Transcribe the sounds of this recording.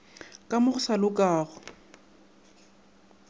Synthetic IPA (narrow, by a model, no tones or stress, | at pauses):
kʼamʊχʊsalʊkʼaːɣʊ